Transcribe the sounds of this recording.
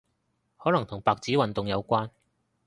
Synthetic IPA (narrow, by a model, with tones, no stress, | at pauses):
hɔː˨˥lɐ˨˩ŋt̪ʰʊ˨˩ŋpaː˨˧k̚t͡siː˨˥wɐ˨nt̪ʊ˨ŋjɐ˨˧wkʷaː˥n